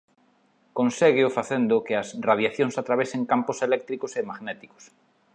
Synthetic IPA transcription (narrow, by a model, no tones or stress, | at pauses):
kõnseɣɪʊfaθend̪ʊkɪɐsraðjaθjoŋsat̪ɾaβeseŋkamposelɛk̚t̪ɾikosemaɣnɛt̪iko̥s